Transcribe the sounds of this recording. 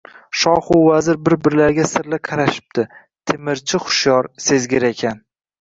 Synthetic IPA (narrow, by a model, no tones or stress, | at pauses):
ʃɒχʊwvazɪɾbɪɾbɪɾlaɾɡʲasɪɾlɪqʰɑɾaʃɪ̥p̚t̪ʰɪ | t̪ʰemɪɾt͡ʃʰɪχʊ̥ʃjɒɾse̞zɡʲɪɾekʲʰan